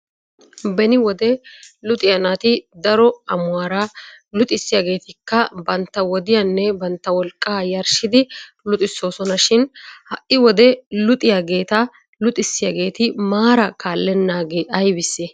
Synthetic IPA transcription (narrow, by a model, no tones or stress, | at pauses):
bɛnɪwɔd̪ɛlʊt̪ʼɪjɐnaːt̪ɪd̪ɐɾɔɐmʊaːɾalʊt̪ʼɪsːɪjaɡe̞ːt̪ɪkːɐbɐnt̪ːɐwɔd̪ɪjɐnːɛbɐnt̪ːɐwɔlkʼːaːjɐɾʃɪd̪ɪ | lʊt̪ʼɪsːoːsɔnɐʃɪnhɐʔɪwɔd̪ɛlʊt̪ʼɪjaɡe̞ːt̪a | lʊt̪ʼɪsːɪjɐɡe̞ːt̪ɪmaːɾɐkaːlːɛnːaːɡeːɐjbɪsːɛ